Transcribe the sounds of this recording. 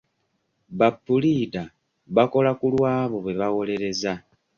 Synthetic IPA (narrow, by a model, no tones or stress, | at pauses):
βapːulida | βako̞lakulwaːβo̞βwe̞βaɣo̞le̞ɾe̞za